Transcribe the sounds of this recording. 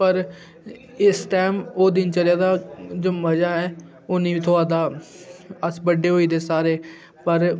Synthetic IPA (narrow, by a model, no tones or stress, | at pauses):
pəɾ | ɪsʈɛːmoːd̪ɪnt͡ʃəljaːd̪aːd͡ʒoːməd͡ʒaːɦɛː | ʊnĩːt̪ʰoːaːd̪aː | əsbəɖeːɦoːiːd̪eːsaːɾeː | pəɾ